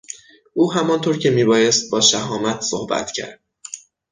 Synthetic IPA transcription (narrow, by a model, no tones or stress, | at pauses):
ʔuːɦæmɒnt̪ʰoɾcʰe̞miːbɒːje̞st̪̚bɒːʃæɦɒːmæt̪ʰsohbæ̰t̪ʰcʰæ̰ɾd̪̥̚